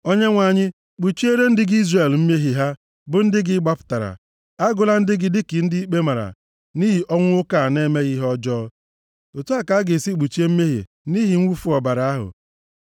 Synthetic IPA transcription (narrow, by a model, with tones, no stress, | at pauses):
o˦ɲe˦ŋʷa˨ɲɪ˦ | k͡pu˨t͡ʃi˦e˦ɾe˦n̩˦dɪ˦ɡɪ˦i˦zre˨lm̩˦me˦ɦi˨ɦa˦ | bʊ˨n̩˦dɪ˦ɡɪ˦ɡ͡ba˦pʊ̥˨ta˨ɾa̰˨ | a˦ɡʊ˨la˦n̩˦dɪ˦ɡɪ˨dɪ˦kɪ˨n̩˦di˦i˦k͡pe˦ma˨ɾa̰˨ | ni˦ɦi˨ʔɔ˦ŋʷ˦ʊ˦ka˨ne˦me˦ɣi˦ɦɔ˦d͡ʒɔː˦ | o˨tu˦a˦ka˨˦ɡe˨si˦k͡pu˨t͡ʃe˦m̩˦me˦ɦḭ˨ | ni˦ɦi˨ŋ̩˦wu˦fu˦ɔ˨ba˨ɾa˨˦a˦ɦʊ̰˨